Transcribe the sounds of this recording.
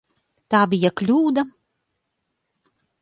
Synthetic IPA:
t̪aːbʲijaklʲuːd̪a

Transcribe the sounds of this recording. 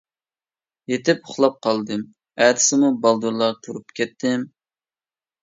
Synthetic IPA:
jet̪ɪpʊχlˠɑp̚qʰɑlˠd̪ɨm | æt̪ʰɪ̥sɪmubɑlˠd̪uɾlˠɑɾt̪ʰuɾupkʲɛt̪ːɪm

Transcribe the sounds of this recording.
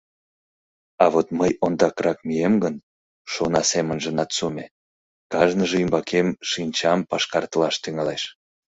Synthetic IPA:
ɑβot̪məjond̪ɑkrɑkmijemɡən | ʃonɑsemənʒənɑt̪sume | kɑʒnəʒeymbɑkemʃinʲt͡ɕɑmpɑʃkɑrt̪əlɑʃt̪yŋɑleʃ

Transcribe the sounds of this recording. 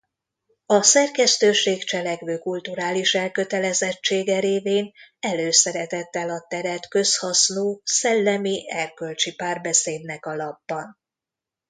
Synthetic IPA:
ɒsɛrkɛst̪øːʃeːkt͡ʃɛlɛkʋøːkult̪uɾaːliʃɛlkø̞t̪ɛlɛzɛt͡ʃːeːɡɛɾeːveːnɛløːsɛɾɛt̪ɛt̪ːɛlɒt̪ɛɾɛt̪kø̞shɒsnoːsɛlːɛmiɛrkø̞lt͡ʃipaːrbɛseːd̪nɛkɒlɒbːɒn

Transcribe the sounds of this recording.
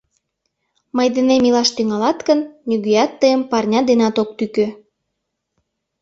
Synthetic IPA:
mɤjd̪enemilɑʃt̪yŋɑlɑt̪kənnyɣyjɑt̪ːəjəmpɑrnʲɑd̪enɑt̪ok̚t̪ykø

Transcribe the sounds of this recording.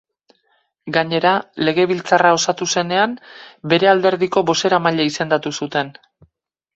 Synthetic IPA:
ɡaɲe̞ɾale̞ɣ̞e̞β̞ilt͡sarao̞sat̪use̞ne̞ambe̞ɾe̞ald̪e̞ɾðiko̞βo̞se̞ɾamaʎaise̞nd̪at̪usut̪e̞n

